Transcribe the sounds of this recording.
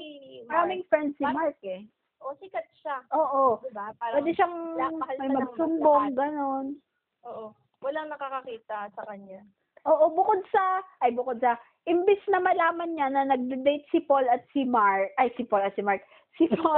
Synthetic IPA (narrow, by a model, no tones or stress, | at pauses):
mɐɾaːmɪŋfɹɛnd̪̚simaɹk̚ɛ | oikɐt̪̚ʃaʔoːʔopːwɛːd̪ɛʃaŋmɐjmɐɡsʊmboŋɡɐno̞n | oʔo | wɐlaŋnɐkakɐkiːt̪ɐsɐkɐɲa | ʔoːʔo̞bʊkod̪̚sɐʔɐjbʊkod̪̚sɐ | ʔɪmbɪsnɐmɐlaːmɐnɲanɐnɐɡ̚d̪ɪd̪ejt̪̚sɪpolɐt̪̚sɪmaɹkʔajsɪpolɐt̪sɪmaɹk̚ | sɪpo